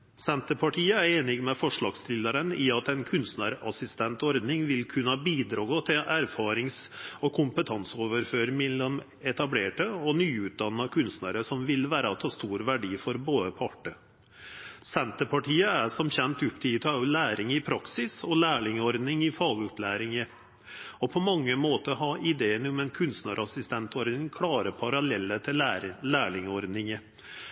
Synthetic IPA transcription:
sɛnt̪əɾpʰɑʈʰiːəæɾeːnɪɡmɛfɔʂɭɑːɡst̪ɪləɾənɪɑt̪ɛnkʰʉnst̪nəɾɑ̰sɪst̪ʰɛnt̪ɔɾd̪nɪŋʋɪlkʰʉnːəɑbiːd̪ɾɑːɡɔt̪ʰɪʔæɾfɑːɾɪŋsɔkʰʊmpət̪ʰɑnsoːʋəɾføːɾmɛlːɔm | ɛt̪ɑbleːʈəɔnyːʉːt̪̚d̪ɑnːɑkʰʉnst̪nəɾəsɔmʋɪlʋæːɾəɔt̪ʰɑːst̪uːɾʋæɖiːfɔɾboːd̪əpʰɑʈə | sɛnt̪əpʰɑʈiːəæʂɔmçɛnt̪ʉpt̪ʰiːt̪ʰɑʊlæːɾɪŋɪpʰɾɑksɪsɔlæːɭɪŋɔɾd̪nɪŋɪfɑːɡʉplæːɾɪŋə | ɔpʰɔmɑŋːəmoːt̪əɦɑʔɪd̪eːənʊmɛnkʰʉnst̪nəɾɑsɪst̪ɛnt̪ʰɔɾd̪nɪŋkʰlɑːɾəpʰɑɾɑlɛlːət̪ʰɪlælæːɭɪŋɔɾd̪nɪŋə

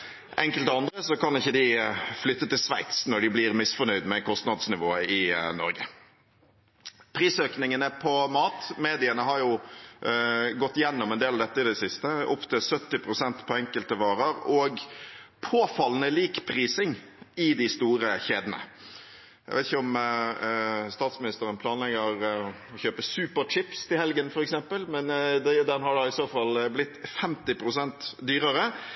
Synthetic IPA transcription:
ʔɛŋkəlt̪ɔɑnd̪ɾəsɔkɑnɪçːəd̪ɪflʏt̪ːət̪ɪlsʋæ̰ɪt̪snɔɖɪblɪɾmɪsfɔɳœʏd̪mɛkʰɔst̪nɑd̪snɪʋoːɪnɔ̰ɾɡə̰ | pʰɾiːsøːknɪŋənəpʰɔmɑːt̪meːd̪ɪənəɦɑɾjʊ | ɡɔt̪ːjɛnːɔmɛnd̪eːlɑʋd̪ɛt̪ːəɪd̪ɛsɪst̪əʊpt̪ʰɪlsœt̪ːɪpʰɾʊsɛnt̪pʰɔɛŋkəlt̪əʋɑːɾəɾɔɡpʰoːfɑlːənəliːkpʰɾiːsɪŋ | ɪd̪ɪst̪uːɾəçeːd̪ənə̰ | jæ̰ɪʋeɪt̪ɪçəɔm | st̪ɑːt̪smɪnɪst̪əɾənpʰlɑːnlɛɡəɾɔçøːpəsʉːpəɾt͡ʃɪpst̪ʰɪlhɛlɡənfɔɾɛksɛmpəlmɛnd̪d̪ɛnhɑɖɑɪsoːfɑlblɪt̪ːfɛmt̪ɪpɾʊsɛnt̪d̪yːɾəɾə

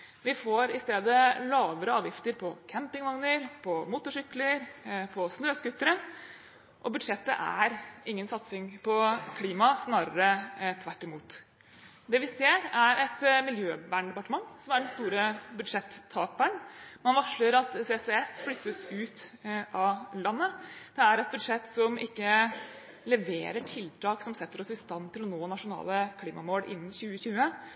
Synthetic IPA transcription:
ʋɪfoːɾɪst̪eːd̪əlɑːʋəɾəɑːʋjɪft̪əɾpʰɔkʰæmpɪŋʋɑŋnəɾpʰɔmuːt̪ʊʂʏkləɾpʰɔsnøːskʉt̪ːəɾə | ʔɔbʉd̪ʂɛt̪ːə̰ʔæ̰ɾʔɪŋːənsɑt̪sɪŋpʰɔkʰliːmɑsnɑːɾəɾət̪ʰʋæʈːɪmuːt̪ | d̪ɛʋɪseːɾæɾʔɛt̪mɪljøːbæɳɖ̪ɛpɑʈəmɑŋːsɔmæɖɛnst̪uːɾəbʉd̪ʂɛt̪ʰːɑːk̚bæɳmɑnʋɑʂləɾɑt̪sesɛɛsflʏt̪ːəsʉːt̪ʔɑlɑnːəd̪̥ɛæɾɛt̪̚bʉd̪ʂɛt̪ːsɔmʔɪkːə | lɛʋḛːɾəʈʰɪlt̪ʰɑːksɔmsɛt̪ːəɾɔsɪst̪ɑnt̪ʰɪlɔnoːnɑʂʊnɑ̰ːləkʰliːmɑ̰moːlʔɪ̰nːnɕʉːəçʉːə

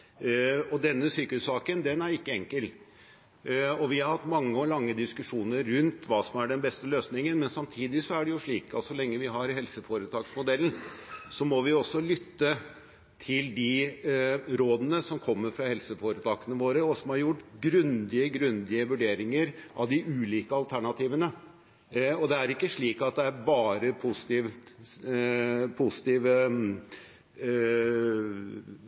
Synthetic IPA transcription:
ɔd̪ɛnːəsyːkəhʉssɑːkənd̪ɛnæɾɪkːəɛŋkəl | ɔʋɪhɑɾhɑt̪ːmɑŋːəɔlɑŋːəd̪ɪskʉʂuːnəɾːʉnt̪ʋɑːsɔmæɖɛnbɛst̪əløːsnɪŋənmɛnsɑmt̪ʰiːd̪ɪsɔæɖɛjʊʂɭiːkɑ̰t̪sɔlɛŋːəʋɪɦɑɾɦɛlsəfoːɾət̪ʰɑːksmʊd̪ɛlːn̩sɔmɔʋɪɔsːɔlʏt̪ːə | t̪ʰɪld̪ɪ | ɾoːd̪ənəsɔmkʰɔmːəɾfɾɑhɛlsəfoːɾət̪ʰɑːkənəʋoːɾəɔsɔmhɑɾjʊʈːɡɾʉnd̪ɪəɡɾʉnd̪ɪəʋʉɖeːɾɪŋəɾʔɑ̰ʋd̪ɪʔʉːliːkəɑlt̪ʰæɳɑt̪ʰiːʋənə | ɔd̪ɛæɾɪkːəʂɭiːkɑt̪̚d̪ɛæɾbɑːɾəpʰʊsɪ̥t̪iːʋ | pʰʊsɪ̥t̪iːʋə

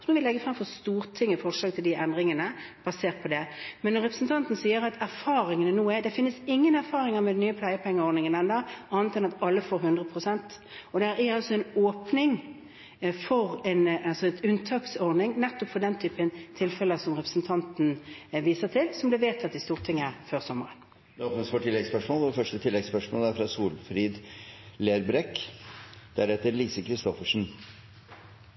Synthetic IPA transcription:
sɔmɔʋɪlɛɡːəfʁɑmfɔst̪uːɾt̪ʰɪŋːəfɔʁʂɑːk̚t̪ʰɪld̪ɪʔɛnd̪ʁɪŋənəb̥ɑseːʁt̪̚pʰɔd̪ɛmɛnːɔɾʁɛpɾəsnt̪ʰɑnt̪n̩siːəɾɑt̪ʰæɾfɑːɾɪŋənənuːæd̪ɛfɪnːəsɪŋːənæɾfɑːɾɪŋəɾmɛd̪ɛnːyːəpʰlæɪəpʰɛŋːəɔɾd̪nɪŋənɛnd̪ɑʔɑːnət̪ɛnɑt̪ɑlːəfoːɾɦʉnd̪ʁəpʰʁʊsɛnt̪ | ɔd̪ɛæɾæɑlsɔɛɪnoːpnɪŋ | fɔʁɛnɑlsɔɛt̪ʉnt̪ʰɑːksɔʁd̪nɪŋnɛt̪ːɔpfɔd̪ɛnt̪ʰyːpənt̪ʰɪlfɛləsɔmʁɛpɾə̥sn̩t̪ʰɑnt̪n̩ʋiːsəʁt̪ʰɪlsɔmb̪lɪʋeːt̪ʰɑt̪̚d̪ɪst̪uːʁt̪ʰɪŋːəføːʁsɔmːəʁən | d̪ɛoːpnəsfɔʈʰɪlːɛɡspœʂmɔːlfœʂʈət̪ʰɪlːɛɡspœʂmɔːlæɾfɾɑsuːlfɾiːd̪leːɾbɾɛkː | d̪̥æɾhɛt̪əɾliːsəkʰɾɪst̪ɔfəʂn̩

